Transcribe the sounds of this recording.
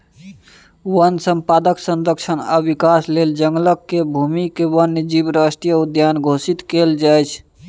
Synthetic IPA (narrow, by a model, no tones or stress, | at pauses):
wənsəmpad̪əksənd̪əkʃʰəna̰bikasleld͡ʒəŋɡləkːebʱumikewənːd͡ʒibɾasʈɾijəud̪janɡʱosit̪keld͡ʒajt͡ʃʰ